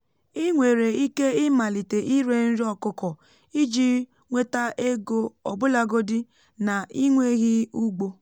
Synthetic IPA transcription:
ɪ˦ŋʷe˨ɾe˨i˦ke˦ɪ˦ma˨li˨te˨ʔi˦ɾe˨n̩˦ɾi˦ɔ˨kʊ˨kɔ˨ | i˦d͡ʒi˦ | ŋʷe˦ta˦e˦ɡo˦ɔ˨bʊ˦la˨ɡo˦dɪ˦ | na˨i˦ŋʷe˦ɣɪ˦u˦ɡ͡bo˦

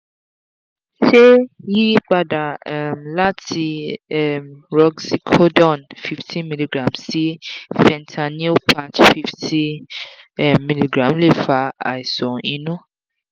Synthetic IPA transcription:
ʃe˦ji˦ɡ͡ba˧da˨mla˦tʰi˧ɛ˨mɾɔ˦ɡsi˦kʰo˦dɔ̃˦˨nfi˦ftʰĩ˦mi˦li˨ɡɾã˨msi˦fɛ̃˨ntʰa˨nĩ˦pʰa˧t͡ʃfi˦ftʰi˦˨ | mi˦li˨ɡɾã˨mle˦˨fa˧˦a̰˨i˨sɔ˨ĩ˧˦nũ˦

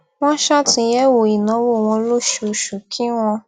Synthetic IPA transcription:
w̃ɔ̃˦ʃa˦tĩ˧jɛ˦wo˨i˨nã˨˦wo˦˨w̃ɔ̃˧lo˦ʃu˨ʃu˨kʰi˦w̃ɔ̃˧

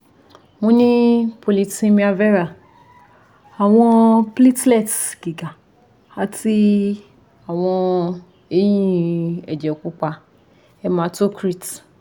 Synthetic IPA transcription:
mõ˧˦nĩ˦po˧li˧tĩ˧mĩ˧a˧vɛ˦ɾa˦˨ | a˨w̃ɔ̃˧pli˦tlɛ˦˨tɡ̥i˨ɡa˨ | a˨˧ti˧ | a˨w̃ɔ̃˧ | e˦jĩ˦ɛ˨d͡ʒɛ˨ku˦k͡pa˧ | ɛ˧mã˨˦to˦kɾi˦˨t

